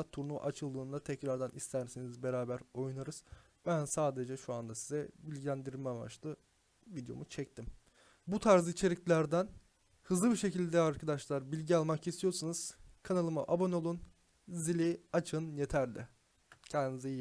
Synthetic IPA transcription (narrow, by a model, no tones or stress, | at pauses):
at̪ʰuɾnuʔat͡ʃʰɯlˠd̪ɯːnd̪at̪ʰɛcɾaɾd̪anist̪ʰæɾsenizbe̞ɾaːbæɾo̞junaɾɯz̥ | bænsaːd̪e̞d͡ʒɛʃuand̪asizɛbilʲɟʲilʲænd̪iɾmɛma̰t͡ʃlˠɯ | vid̪jo̞̰mut͡ʃʰɛc̚t̪ʰim | but̪ʰaɾzɯit͡ʃʰe̞ɾiclʲæɾd̪æn | hɯzlˠɯbiʃe̞cilʲd̪ɛaɾkʰad̪aʃlˠaɾbilʲɟialˠmakist̪ʰijo̞ɾsunɯz̥kʰanalˠɯma̰ʔabo̞no̞lˠun | zilʲiat͡ʃʰɯnjet̪ʰæɾlʲɛ | cʰɛnd̪izi